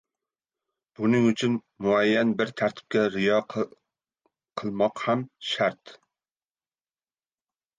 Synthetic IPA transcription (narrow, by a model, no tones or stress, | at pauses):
b̥unɪŋyt͡ʃʰyn | muɛjːɛnbɪɾt̪ʰæɾt̪ʰɪ̥p̚ʲkʲɛɾɪjɑ | qʰəlˠmɑqhɛmʃæɾt̪